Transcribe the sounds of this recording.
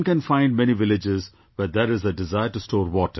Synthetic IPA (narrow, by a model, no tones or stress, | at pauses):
nkɛ̃nfãɪ̃ɳɖmɛniʋɪlɪd͡ʒɪz | ʋɛɾd̪ɛɾɪzəɖɪzaɪəɾʈustɔːɾʋɔːʈə